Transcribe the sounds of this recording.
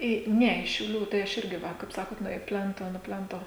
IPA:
ˈiː ˈnʲɛ ɪʃ ʃʲɛʊˈlʲuː tɐɪ ˈɐʃ ˈɪrʲɡʲɪ ˈʋɐ kɐɪp ˈsɑːkoːt ˈnʊ ɪ ˈpʲlʲɛntoː nʊ ˈpʲlʲɛntoː

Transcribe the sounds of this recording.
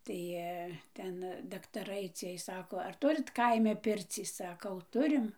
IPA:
ˈtɐɪ ˈtʲɛn dɐktɐˈrɐɪ ˈt͡sʲiɛj ˈsɑːkoː ˈɐr ˈtʊrʲɪt ˈkɐɪmʲɛ ˈpʲɪrʲt͡sʲiː ˈsɑːkɐʊ ˈtʊrʲɪm

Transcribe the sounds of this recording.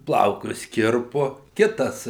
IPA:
ˈplˠɐʊkʊs ˈkʲɪrpʊ ˈkʲɪtɐs

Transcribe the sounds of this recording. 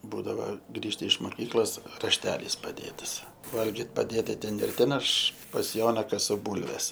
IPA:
ˈbuːdɐʋɐ ˈɡrʲiːʃtɐ ɪʃ moːˈkʲiːklˠoːs rɐʃʲˈtʲæːlʲiːs pɐˈdʲeːtɐs ˈʋɐlʲɡʲɪt pɐˈdʲeːtɐ ˈtʲɛn ɪr ˈtʲɛn ɐʃ pɐs ˈjoːnɐ kɐˈsʊ ˈbuːlʲʋʲɛs

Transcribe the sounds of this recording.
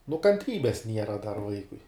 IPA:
nʊ kɐnʲˈtʲrʲiːbʲɛs ˈnʲiɛrɐ dɐr ˈʋɐɪkʊɪ

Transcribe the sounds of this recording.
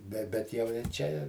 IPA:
bʲɛ ˈbʲɛt jɛʊ ɪr ˈt͡ʃʲɛ ɪ

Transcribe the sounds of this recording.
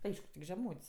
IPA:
ˈɐɪʃkʊ tʲɪk ʒʲɛˈmuːtʲsʲ

